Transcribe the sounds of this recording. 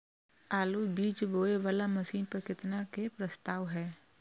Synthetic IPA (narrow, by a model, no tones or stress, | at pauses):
aːlubiːd͡ʒboːeʋaːlamɐsiːnpɐɾkɪt̪nakepɾəst̪aːʋɦɛː